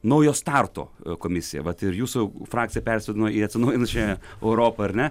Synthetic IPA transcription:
nɐʊjoːst̪ɑrt̪o̰ːkoːmʲɪsʲɪjɛ̰ʋɐt̪ɪɾjuːsʊfɾɑːk̚t͡s̪ʲsʲɪjɛpʲɛɾʲsʲʋʲɛd̪ʲɪnɐiɐt̪ʲsʲɪnɐʊjɪnɐst͡ʃʲɛɛʊɾoːpɐɐɾʲnʲɛ

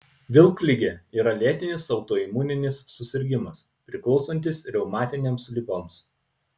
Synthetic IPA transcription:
ʋʲɪlˠklʲɪɡʲeːiːɾɐlʲeɛt̪ʲɪnʲɪsɐʊt̪oːiːmuːnʲɪnʲɪsːʊsʲɪɾʲɡʲɪmɐs | pʲɾʲɪklˠɒʊsonʲt̪ʲɪsɾʲɛʊmɑːt̪ʲɪnʲeːmslʲɪɡoːms

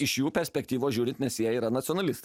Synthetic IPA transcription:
ɪʃjuːpʲɛɾʲsʲpʲɛkt̪ʲiːʋoːʒʲuːɾʲɪnt̪ʲnʲɛsʲjɛiːɾɐnɐt̪ʲɪɔnɐlʲɪst̪

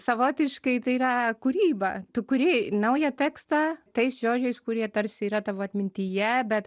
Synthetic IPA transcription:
sɐʋoːt̪ʲɪʃkɐɪt̪ɐɪiːɾɐkʊɾʲiːbɐ̰t̪ʊkʊɾʲɪnɐʊjɛt̪ʲɛːkst̪ɑt̪ɐɪsʒoːd͡ʒʲɛɪskʊɾʲiɛt̪ɐɾʲsʲɪiːɾɐt̪ɐʋoːɐt̪ʲmʲɪnʲt̪ʲijɛbʲɛt̪

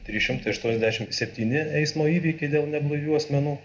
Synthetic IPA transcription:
t̪ʲɾʲiːʃʲɪmt̪ɐɪɐʃt̪uɔnʲɛzdʲæːʃʲɪmsʲɛpʲt̪ʲiːnʲɪɛɪsmoːiːʋʲiːkʲɛɪd̪ʲeːlˠnʲɛblˠɐjʲuːɐsʲmʲɛnuː

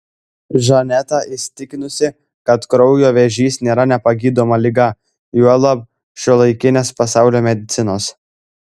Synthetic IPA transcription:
ʒɐnʲɛt̪ɑɪsʲt̪ʲɪkʲɪnʊsʲɪ | kɐt̪kɾɔʊjoːʋʲɛʒʲiːsnʲeːɾɐnʲɛpɐɡʲiːd̪oːmɐlʲɪɡɐ | juɔlˠɐp | ʃʲulˠɐɪkʲɪnʲeːspɐsɑˑʊlʲoːmʲɛd̪ʲɪt̪sʲɪnoːs

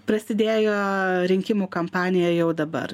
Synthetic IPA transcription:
pɾɐsʲɪd̪ʲeːjoːɾʲɪŋʲkʲɪmuːkɐmpɑːnʲɪjɛjɛʊd̪ɐbɐ̰ɾ

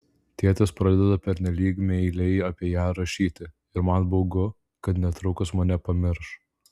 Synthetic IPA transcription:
t̪ʲeːt̪ʲɐspɾɐd̪ʲɛd̪ɐpʲɛɾʲnʲɛlʲiːkmʲɛɪlʲɛɪɐpʲiɛjæːɾɐʃʲiːt̪ʲɪ | ɪɾmɐnboʊɡʊ | kɐt̪nʲɛt̪ɾʊkʊsmɐnʲɛpɐmʲɪɾʃ

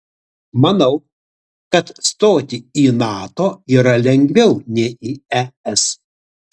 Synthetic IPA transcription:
mɐnɐʊ | kɐt̪st̪oːt̪ʲiiːnɑːt̪oːiːɾɐlʲɛŋʲɡʲʋʲɛʊnʲɛiːɛɛs

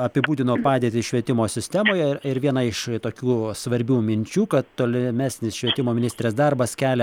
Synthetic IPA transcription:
ɐpʲɪbuːd̪ʲɪnoːpɑːd̪ʲeːt̪ʲɪʃʲʋʲiɛt̪ʲɪmoːsʲɪsʲt̪ʲæːmoːjɛɪɾʋʲiɛnɐɪʃt̪oːkʲuːsʋɐɾʲbʲuːmʲɪnʲt͡ʃʲuːkɐt̪t̪oːlʲɪmʲæːsʲnʲɪsʃʲʋʲiɛt̪ʲɪmoːmʲɪnʲɪsʲt̪ʲɾʲeːsd̪ɐrbɐskʲæːlʲɛ

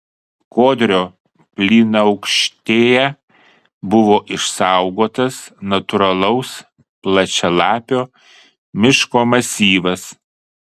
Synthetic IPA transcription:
koːd̪ʲɾʲoː | pʲlʲiːnɐɐʊkʃʲt̪ʲeːjɛ | bʊʋoːʔɪʃsɑˑʊɡoːt̪ɐsnɐt̪ʊɾɐlˠɐʊs | plˠɐt͡ʃʲɛlˠɑːpʲoː | mʲɪʃkoːmɐsʲiːʋɐs

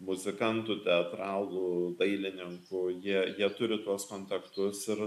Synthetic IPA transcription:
mʊzʲɪkɐnt̪ut̪ʲɛɐt̪ɾɑːlˠuːd̪ɐɪlʲɪnʲɪŋkʊjiɛjiɛt̪ʊɾʲɪt̪uɔskoːnʲt̪ʲɐkt̪ʊsɪɾ

